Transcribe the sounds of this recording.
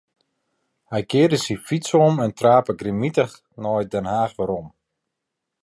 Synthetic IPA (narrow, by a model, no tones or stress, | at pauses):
hɛjkɪːdəsifitsɔmɛntraːpəɡrimitəx | nɔjdɛnhaːxʋaɾɔm